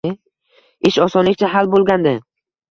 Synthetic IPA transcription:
ɪʃɒsɒnlɪk̚ʲt͡ʃʰaɦalbolˠɡʲand̪ɪ

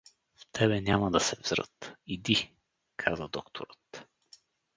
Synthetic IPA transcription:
ft̪ʰɛbɛnʲamɐd̪ɐsɛvzɾɤ̰t̪id̪i | kʰazəd̪ɔkt̪ʰo̰ɾət̪

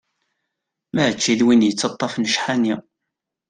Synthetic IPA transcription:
mæət͡ʃːiðwinjət͡sːɑt̪ˤːɑfnʃħani

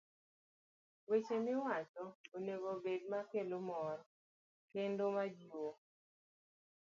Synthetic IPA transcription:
wet͡ʃemɪwat͡ʃɔoneɡobed̚makelomɔɾ | kendomad͡ʒo

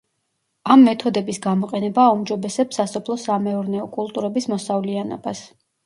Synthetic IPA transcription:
amːɛt̪ʰɔd̪ɛbisɡamɔqʼɛnɛbaːumd͡ʒɔbɛsɛpsasɔpʰlˠɔsamɛɔɾnɛɔkʼulˠt̪ʼuɾɛbismɔsavlianɔ̰bas

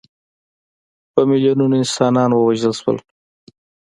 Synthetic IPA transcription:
pəmɪljonunaɪnsɑnɑnwəwaʒəlʃwə̰l

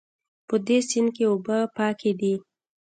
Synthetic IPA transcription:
pəd̪esinkeobəpɑkʰed̪i

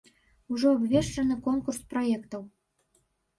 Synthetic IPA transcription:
uʒoːbvʲeʃt͡ʃənɤ̆konkursproekt̪əw

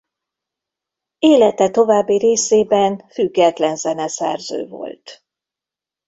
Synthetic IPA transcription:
eːlɛt̪ɛt̪o̞vaːbːiɾeːseːbɛnfyɡːɛt̪lɛnzɛnɛsɛ̰rzø̰ːvo̞̰lt̪

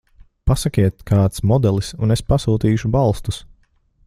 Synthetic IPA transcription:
pasakʲiɛt̪kʰaɑːt̪smɔd̪ɛlˠisunespasuːt̪iːʃubalˠst̪us

